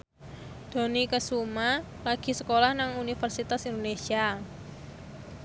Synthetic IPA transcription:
d̪̥o̤nikəsuma | laɡ̥i̤səkolahnaŋunifərsit̪asind̪onesia

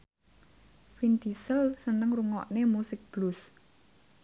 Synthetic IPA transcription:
find̪isəlsənəŋruŋɔʔnemusɪk̚b̥lus

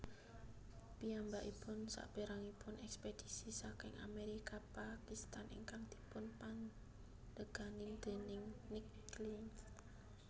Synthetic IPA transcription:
piambaʔipʊnsa̰ʔb̥eɾaŋipʊnʔɛksped̥isisakɪŋʔa̰meɾikapakist̪anʔɪ̰ŋkaŋd̪̥i̥̤pʊnpan | d̪əɡ̥anɪŋd̪̥e̤nɪŋnikli

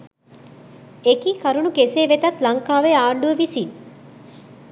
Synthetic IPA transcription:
ekiːkɐɾunukeseːʋet̪ɐt̪lɐŋkaːʋeaːɳɖuəʋisi

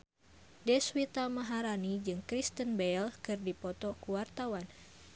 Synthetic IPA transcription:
dɛswit̪amaɦaɾanid͡ʒɨŋkɾist̪ənbɛlkɨrdipɔt̪ɔkuwart̪awan

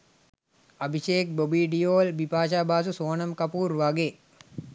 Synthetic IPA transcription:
ɐbʱiʃeːk̚bobiːɖijoːlbipaːʃaːbaːs̬usoːnɐmkɐpuːɾʋaɡe

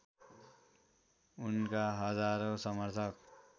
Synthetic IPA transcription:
unkaɦʌd͡zaɾosʌmʌrt̪ʰʌk

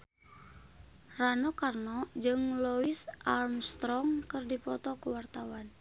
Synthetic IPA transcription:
ranɔkarnɔd͡ʒɨŋlɔisʔarmst̪ɾɔŋkɨrdipɔt̪ɔkuwart̪awan

